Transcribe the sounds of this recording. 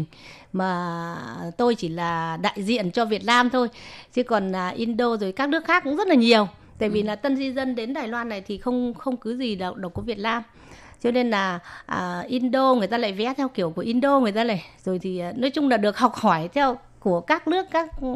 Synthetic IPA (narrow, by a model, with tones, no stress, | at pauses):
ŋ̟maː˨˩ | t̪o˧jt͡ɕi˧˩laː˨˩ɗa̰ː˧˨jzḭ˧˨ənt͡ɕɔ˧vi˨˩ət̚naː˧mt̪ʰo˧jt͡ɕɨ˨˧˦kɔ˨˩naː˨˩ʔi˧nɗo˧zo˨˩jkaː˦˥k̚nɨ˦˥əkxaː˦˥kːʊ̰˧˥ŋ͡mzə˦˥t̚laː˨˩ɲi˨˩əw | t̪a̰ː˧˨jvi˨˩laː˨˩t̪ə˧nzi˧zə˧nɗe˨˦nɗaː˨˩jlwaː˧nːa˨˩jt̪ʰi˨˩xə˧wŋ͡mxə˧wŋ͡mkɨ˨˦zi˨˩ɗa˨˩w̚ɗk͡p̚ku˧˩vi˨˩ət̚naː˧m | t͡ɕɔ˧ne˧nlaː˨˩ʔəː˨˩ʔi˧nɗo˧ŋɨ˨˩əjt̪aː˧la̰ː˧˨jvɛ˨˦t̪ʰɛ˧wki˧˩əwku˧˩əʔi˧nɗo˧ŋɨ˨˩əjt̪aː˧nə˨˩jzo˨˩jt̪ʰi˨˩˨nɔ˨˦jt͡ɕʊ˧ŋ͡mlaː˨˩ɗɨ˨˩ək̚hɔ˨˩wk͡p̚hɔ˧˩jt̪ʰɛ˧w | ku˧˩əkaː˦˥k̚nɨ˦˥əkːaː˦˥k̚